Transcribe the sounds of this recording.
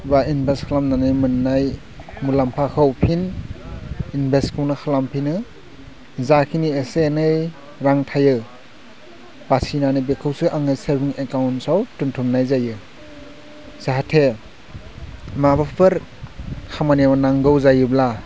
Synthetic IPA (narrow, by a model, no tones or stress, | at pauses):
bainbʱeskʰalamnanɯjmɯnːaj | mulampʰakʰawpʰin | inbʱeskʰɯwnɯkʰalampʰinɯ | zakʰiniesenɯj | ɾaŋtʰajɯ | basinanɯbekʰɯwsɯʔaŋɯjseɾbiŋekawnsawtuntʰumnajzajɯ | z̥eɦatʰe | mabapʰɯɾ | kʰamanijamanaŋɡɯwzajɯbla